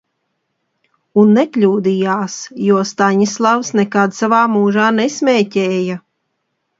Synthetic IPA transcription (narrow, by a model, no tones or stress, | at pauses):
unːɛkʎʲuːd̪ijaːsjuɔst̪aɲislˠavsnɛkad̪savaːmuːʒaːnɛsmʲɛːcɛːja